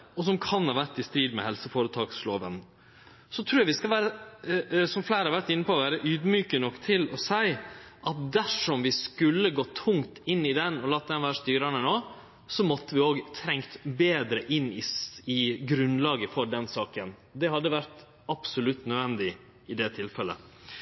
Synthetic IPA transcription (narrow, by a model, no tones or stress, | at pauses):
ɔs̬ɔmkʰɑnhɑːʋæʈ̪ːɪst̪ɾiːd̪mɛ̰hɛlsəfoːɾət̪ʰɑːksloːʋən | sɔt̪ʰɾuːjɑʋɪskɑʋæːɾə | sɔmflæɪɾəhɑɾʋæɾt̪ɪnːəpɔɔʋæːɾəʔyːd̪myːkənɔkːt̪ʰɪlɔsæɪʔɑt̪̚d̪æʂɔmʋɪskʉlːəɡoːt̪ʰʊŋt̪ɪnːɪd̪ɛnɔlɑːt̪̚d̪ɛnʋæːɾəst̪yːɾɑnənoː | sɔmɔt̪ːəʋɪoːɡt̪ʰɾɛŋt̪beːd̪ɾəʔɪnːɪɪɡɾʉnlɑːɡəfɔɖɛnsɑːkən | d̪ɛhɑd̪ːəʋæɾt̪ | ɑpsʊlʉt̪ːnœʋɛnd̪ɪ | ɪd̪ɛt̪ʰɪlfɛlə̰